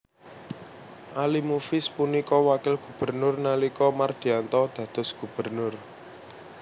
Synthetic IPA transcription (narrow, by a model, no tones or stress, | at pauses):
ʔalimufɪspunikɔwakɪlɡ̥ṳb̥ə̤rnʊrnalikɔmard̪̥i̤ant̪ɔd̪̥ä̤d̪̥ɔ̤sɡ̥ṳb̥ə̤rnʊr